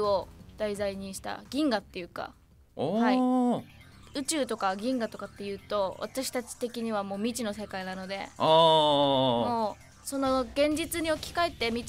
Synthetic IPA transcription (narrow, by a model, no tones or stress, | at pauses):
o̞d̪̥aizaiɲ̟iɕi̥t̪a̰ɡʲĩŋɡat̪ːe̞jɯ̟ka̰ | hhai | ɯ̟t͡ɕɨːt̪o̞kaɡʲĩŋɡat̪o̞kat̪ːe̞jɯ̟ːt̪o̞βa̰t̪aɕi̥t̪at͡ɕi̥t̪e̞kʲiɲ̟iβamo̞ːmʲit͡ɕino̞se̞kainano̞d̪e̞̰ | moː | so̞no̞ɡẽ̞ɲ̟d͡ʑit͡sɨɲ̟io̞kʲi̥kae̞t̪ːe̞mʲi